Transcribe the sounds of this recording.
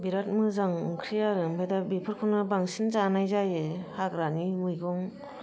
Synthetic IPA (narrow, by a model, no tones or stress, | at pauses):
biɾat̚mɯzaŋkʰɾijaɾɯmpʰejdabipʰɯɾkʰɔnɯbaŋsinzanajzajɯhakɾanimɯjɡɔŋ